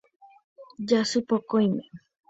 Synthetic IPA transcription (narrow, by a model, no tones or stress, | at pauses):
d͡ʒasɨpokojmẽ